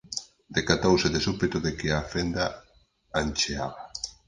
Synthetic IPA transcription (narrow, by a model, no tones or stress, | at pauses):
d̪ekat̪owseðesupet̪ʊðekɪafend̪a | ant͡ʃeaβa